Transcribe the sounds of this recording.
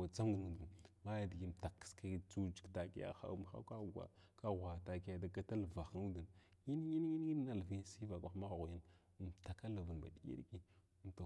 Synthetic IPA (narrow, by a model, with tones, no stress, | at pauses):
wa˨t͡sa˦m˦ɡnu˨du˨nma˦ja˨di˨ɡi˦m˨ta˨kːska˦t͡su˦d͡ʒi˨kta˨ki˦ja̰˨xa̰˦ṵ˦m˦xa̰˦ka˦˨ɡʷa̰˨ka˦ɣʷa˨ta˨ki˦ja˨da˨ɡa˦ta˦lva˨xnu˦də˨nji˦n˦ji˦n˦i˦n˦i˦n˦na˨lvi˦si˦va˨kʷa˨˦ma˦ɣɣji˦n˨ | mta˨ka˦la˨və˨nba̰˨ɗi˦jḭ˦ɾki˨ | m˨ta˨